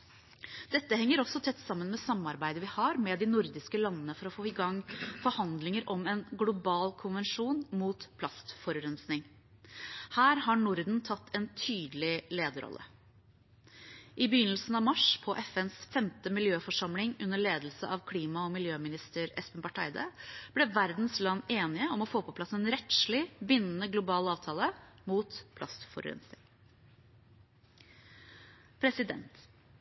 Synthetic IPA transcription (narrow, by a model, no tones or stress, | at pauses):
d̪̥ɛt̪ːəhɛŋːəɾɔsːɔt̪ʰɛt̪ːsɑmːənmɛsɑmːɑɾbæɪd̪əʋɪhɑɾmɛd̪ɪnʊɾd̪ɪskəlɑnːənəfɔɾɔfoːɪɡɑŋːfɔɾhɑnd̪lɪŋəɾʔɔmɛnɡlʊbɑːlkʰʊnʋɛnʂuːnmuːt̪pʰlɑst̪fɔɾɾœnsnɪŋ | hæːɾɦɑɳʊɾd̪n̩t̪ʰɑt̪ːɛnt̪ʰyːd̪əlɪleːd̪əɾɔ̰lːə̰ | ʔɪbəjʏnːəlsn̩ɑʋmɑʂpʰɔʔɛfɛnsfɛmt̪əmɪljøːfɔʂɑmlɪŋʉnːəɭeːd̪l̩sə̰ʔɑʋkʰliːmɑɔmɪljøːmɪnɪst̪əɾɛ̰spənbɑʈʰɑ̰ɪd̪ə̰b̥lɛʋæɾd̪n̩slɑnːeːnɪəɔmɔfoːpʰɔpʰlɑsːɛnɾɛt̪ʂlɪbɪnːənəɡlʊbɑːlɑːʋt̪ʰɑːləmuːt̪pʰlɑst̪fɔ̰ɾ̰ɛ̰nsɪ | pʰɾɛsɪd̪ɛ̰nt̪